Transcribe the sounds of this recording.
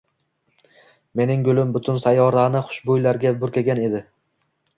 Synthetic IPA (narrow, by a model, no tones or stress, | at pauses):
me̞nɪŋɡʊlˠɪmbʊt̪ʰʊnsajɒɾanɪχʊ̥ʃbojlaɾɡʲabʊɾkʲaɡʲane̞d̪ɪ